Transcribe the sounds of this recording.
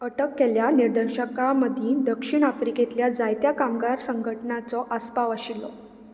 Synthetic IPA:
əʈəkːɛljaniɾd̪əɾɕəkaməd̪ʱid̪əkʂiɳ̃afɾiket̪ljad͡zajt̪jakamɡaɾsəŋɡʱəʈnat͡sɔʔəspaʋəɕilːɔ̰

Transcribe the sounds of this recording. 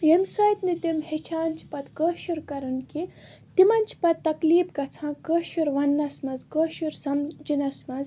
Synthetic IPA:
jemsɐːjt̪nit̪imɦet͡ʃʰaːnt͡ʃʰi̥pɐt̪kəʃuɾkɐɾɐnkit̪imɐnʲt͡ʃʰpɐt̪̚ːɐkliːpɡɐt͡sʰãːkəʃuɾʋɐnːɐsmɐzkəʃuɾsɐmd͡ʒinɐsmɐz

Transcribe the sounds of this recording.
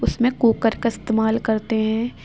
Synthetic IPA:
ʊsmẽkoːkəɾkaɪst̪eːmaːlkɐɾt̪eɦɛ̃ː

